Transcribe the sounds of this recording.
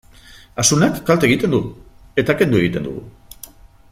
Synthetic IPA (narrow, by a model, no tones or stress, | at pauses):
asunakːalt̪e̞ɣ̞it̪e̞nd̪u | e̞t̪aːke̞nd̪ue̞ɣit̪e̞nd̪ṵɣṵ